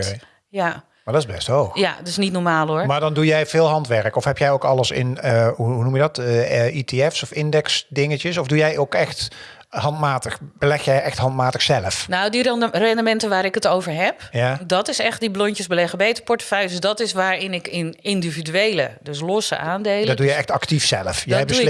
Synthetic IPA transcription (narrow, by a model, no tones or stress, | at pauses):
ja | maɹdɔtɪzbɛ̰stowxja̰dɪsnitnɔɹmaːlˠoɹmaːɹdɑndujɛjvɪːlˠɦɑntʋɛɹkɔfɦɛpjɛjowkɑləsɪ̰nəuɦunumjədɑtiteɛfsɔfɪndɛksdɪŋəcəsɔvdujɛjokɛxt | ɦɑntmaːtəxb̥əlɛxjɛjɛxtɦɑntmaːtəxsɛləfnawdirɛndəmɛntəʋaːɾɪkətowvəɹɦɛpjadɑtɪsɛχtdiblɔɲcəzbəlɛχəbejtəpɔɹtəfœɥjədəsdɔtɪsʋaːɹɪnɪkɪnɪndividyejlədøs̬lɔsə̰ʔaːndejldɔdujɛjɛxtɑktifsɛləfjɛjbə